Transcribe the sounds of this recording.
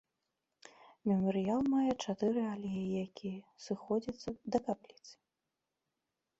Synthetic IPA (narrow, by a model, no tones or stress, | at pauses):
mʲɛmɨɾɨjalˠmajɛt͡ʂat̪ɨɾɨalʲejijakʲijɛsɨxɔd͡zʲɐt̪sːɐd̪ɐkaplʲit̪sɨ̥